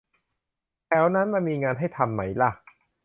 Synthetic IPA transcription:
lɛː˦˥wna˦˥nma˧nmiː˧ŋaː˧nɦa˥˩jt̪ʰa˧mːa˦˥jla˧˩

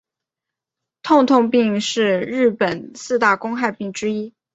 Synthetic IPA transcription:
t̪ʰʊ˥˧ŋt̪ʰʊ˥˧ŋpi˥˧ŋʂɻ̩˥˧ɻɻ̩˥˩pə˨˩nsɹ̩˥˧t̪a˥˩kʊ˥ŋxa˥˧ɪpi˥˩ŋʈ͡ʂɻ̩˥i˥

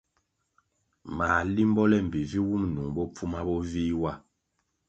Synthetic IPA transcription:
maː˨li˦m˦bɔ˦lɛ˦m̩˨bi˨vi˦wu˦mnu˨ŋbɔ˦p͡fu˦ma˦bɔ˦viː˦wa˦˨

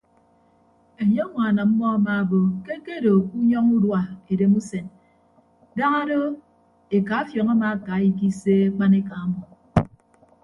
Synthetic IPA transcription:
e˨ɲe˦ŋʷa˨na˨m̩˦mɔ˦a˦ma˨bo˨ke˦ke˦do˨u˦ɲɔ˦ŋu˦dwa˨e˨de˨mu˦se˨n | da˦ŋa˦do˦ | e˨ka˨˦fjɔ˨ŋa˦ma˨a˨ka˨˦i˦k̬i˦se˦e˦k͡pa˦ne˦ka˨a˦mɔ˨

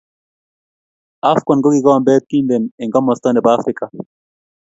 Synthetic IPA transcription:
a˦fkɔ˨nɡo˦ɡi˨ɡɔ˦mbɛː˦t̪̚ki˦nd̪e˨nɪ˨ŋɡa˦mɔ˨st̪a˦nɛ˨baː˦fɾɪ˦ka˨

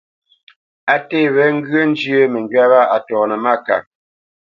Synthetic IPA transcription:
a˨te˦˨βɛ˦ŋ̩˦ɡɰə˦n˦d͡ʒjə˦mə˨ŋ˨ɡɥa˦βa˦a˨tɔː˨nə˨ma˦ka̰˨

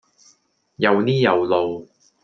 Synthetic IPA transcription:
jɐ˨˧wniː˥jɐ˨wlo˨w

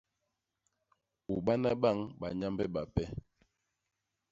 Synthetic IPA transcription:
u˨ɓa˦na˦ɓa˦˨ŋɓa˨ɲa˦mbɛ˦ɓa˨pɛ˦

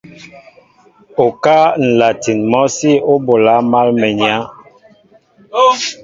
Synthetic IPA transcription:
o˨ka˦n̩˨la˨ti˨nmɔ˦si˦o˦bo˨la˨˦ma˦lmɛ˨ɲi˨a˨˦

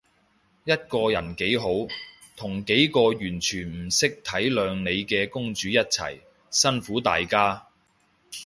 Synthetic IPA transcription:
jɐ˥t̚kɔː˧jɐ˨˩nke˨˥jɦo˨˥w | t̪ʰʊ˨˩ŋke˨˥jkɔː˧jyː˨˩nt͡ʃʰyː˨˩nm̩˨˩sɪ˥k̚t̪ʰɐ˨˥jlœː˨˧ŋne˨˧jkɛː˧kʊ˥ŋt͡ʃyː˨˥jɐ˥t̚t͡sʰɐ̰˨˩j | sɐ˥nfuː˨˥t̪aː˨jkaː˥

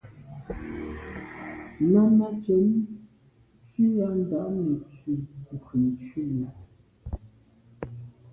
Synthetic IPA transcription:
na˦ma˦t͡ʃɛ˨˦n | t͡si˦a˦n˦˨da˨ʔnə˨t͡si˨kə˨nt͡ʃɥe˦˨la˨

